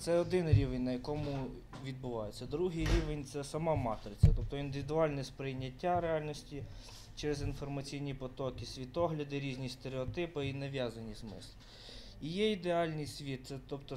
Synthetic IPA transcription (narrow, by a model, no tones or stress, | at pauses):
t̪sɛɔd̪ɪnɾʲiʋenʲnɐjɐkɔmʊ | ʋʲid̪̚bʊʋɑjet͡sʲːɐd̪ɾuɦɪjɾʲiʋenʲt̪sɛsɐmɑmɑt̪ɾɪt͡sʲsʲɐt̪ɔp̚t̪ɔind̪ɪʋʲd̪ʊɑlʲnɛspɾɪjnʲːɐtʲːaɾeɑlʲnɔsʲtʲi | t͡ʃɛɾezinfɔrmɐt͡sʲijnʲipɔt̪ɔkɪsʲʋʲit̪ɔɦlʲɐd̪ɪɾʲizʲnʲist̪eɾeɔt̪ɪpɪinɐʋʲjazɐnʲizmɪ̰slˠɪ | ijɛid̪eɑlʲnɪjsʲʋʲit̪̚sɛt̪ɔpt̪ɔ